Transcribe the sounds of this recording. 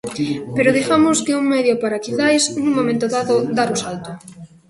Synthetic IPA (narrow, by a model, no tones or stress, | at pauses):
peɾʊðiɣamʊskɪuŋmɛðjopaɾakilajsnuŋmːomẽnt̪ʊðaðʊd̪aɾʊsalt̪ʊ